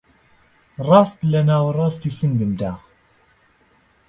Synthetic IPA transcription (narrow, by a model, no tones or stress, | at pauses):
rˤɑːst̪lɐnaːwrˤɑːst̪isənd̪ɨmd̪aː